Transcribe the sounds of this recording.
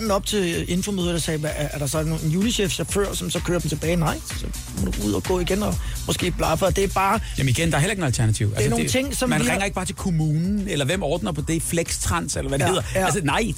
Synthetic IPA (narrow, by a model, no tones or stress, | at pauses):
d̥n̩ɒ̽b̥̚t͡sʰe̝e̝nfomøð̞ˠɐd̥ɑsɛːʋææɐɾ̥ɑ̈sɒ̽non̩juːniɕefɕæføɐ̰sɒ̽msɒ̽kʰøːɐd̥em̩t͡sʰe̝b̥ɛːɪnɑ̈ɪ̰sɒ̽ | mɒd̥uuð̞̰ˠɒɡ̥ɔ̰̽ːiɡ̥enɒ̽mɔ̽sɡ̥e̝̰ːb̥lɑ̈fɒd̥e̝æɐb̥ɑ̈ːjæmniɡ̥end̥ɑ̈ɐheleɡnælt͡sʰæɐnæt͡sʰiʊ̰ælæsɐnoŋ̩t͡sʰe̝ŋ̰sɒ̽mænʁɛŋɐe̝ɡ̥̚ɑ̈ːt͡sʰe̝lkʰo̝muːnn̩elɐʋem̰ɒːd̥nɐpʰɒ̽d̥e̝fleɡ̥st͡sʰʁɑn̰selɐʋæd̥e̝he̝ð̰ˠɐæls̬ənɑ̈ɪ̰